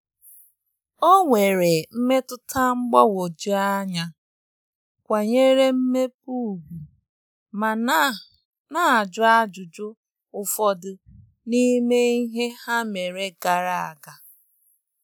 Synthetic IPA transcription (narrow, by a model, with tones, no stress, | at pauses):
o˦ŋʷe˨ɾe˨m̩˦me˦tʊ˦tʰa˦ŋ͡m̩˦ɡ͡bɔ˦wo˨d͡ʒi˦a˦ɲa˨ | kʷa˨ɲe˦ɾe˦m̩˦me˦p̚u˦˨ɡʷu˨ | ma˨ | na˦a˨d͡ʒʊ˦a˦d͡ʒʊ˨d͡ʒʊ˦ | ʊ˨fɔ˨dʊ˨ | ni˦me˦i˦ɦe˦ha˦me˨ɾe˨ɡa˨ɾa˨a̰˨ɡa˨